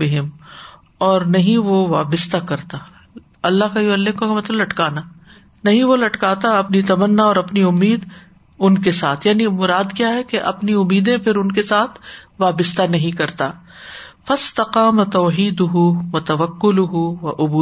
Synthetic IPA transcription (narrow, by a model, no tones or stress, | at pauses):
bɪɦɪm | ɔːɾnɐɦĩʋoʋa̰ːbɪst̪akɐɾt̪aː | ɐlːaɦkajʊʋɐlːekõkemɐt̪ləmlɐʈkaːnaː | nɐɦĩʋolɐʈkaːt̪aɐpnit̪ɐmɐnːaɔːɾɐpniʊmːiːd̪ | ʊnkesaːt̪ʰjaːnimʊɾaːd̪kjaːɦɛkeʔɐ̰pniʊmːiːd̪ẽpʰɪɾʊnkesaːt̪ʰʋaːbɪst̪anɐɦĩkɐɾt̪aː | fɐst̪ɐqaːmɐt̪oːɦiːd̪ʊɦuʋɐt̪ɐʋɐkːʊlʊɦʊʋɐʔʊbuː